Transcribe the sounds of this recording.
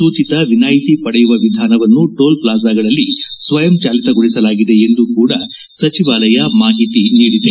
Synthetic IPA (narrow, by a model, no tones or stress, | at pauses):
suːt͡ʃit̪ɐʋinaːjt̪ipɐɽɛjuʋɐʋid̪ʱaːnɐʋɐnːuʈoːlplaːzaːɡɐɭɐlːisʋɐjɐmt͡ʃaːlit̪ɐɡoɭisɐlaːɡid̪e̞ːnd̪ukuːɽɐ | sɐt͡ʃiʋaːlɐjɐmaːɦit̪iniːɽid̪e